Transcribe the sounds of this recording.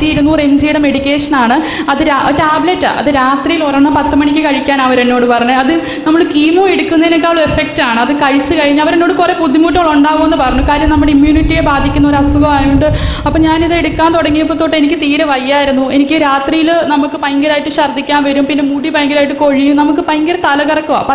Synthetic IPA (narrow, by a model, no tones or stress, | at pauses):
t̪ijiɾunːuremd͡ʑejɽɐme̞ɽikʲːe̞ːʂɐnaːɳɨ | ɐðɨɾataːbletːa̰ʔɐ̰ðɨɾaːt̪rijilorɐnːɐpɐt̪ːɨmɐɳikʲːɨkɐɻikʲːaːnɐʋɐɾenːo̞ːɽɨpɐrɐɲːɨɐðɨ | nɐmːɐɭkiːmome̞ɽukːunːɐenekːaːʋɭɐe̞fek̚taːɳɨɐðɨkɐɻit͡ɕːɨkɐɻiɲːɐʋɐɾenːoːɽɨkure̞pud̪ʱːimuːʈːɐŋɭuɳɖaːɣumenːɨpɐrɐɲːukaːɾjɐmnɐmːuɽeimjuːniʈːijebaːd̪ʱikʲːunːɐoɾɐsuɣɐmaːjuɳɖɨɐpːoːɲaːniðɨe̞ɽukʲːaːnt̪oɽɐŋːijɐp̬ːot̪ːoːʈːɨenikʲːɨt̪iːɾɐʋɐjːaːjiɾunːue̞nikʲːɨɾaːt̪rijilnɐmukːɨpɐjŋɡɐɾaːjiʈːɨmɕɐrd̪ʱːikʲːaːnʋɐɾumpinːe̞muɽipɐjŋɡɐɾaːjiʈːɨko̞ɻijumnɐmuk̬ːɨpɐjŋɡɐɾɐt̪ɐlɐɣɐrɐkːɨa̰ːpɐ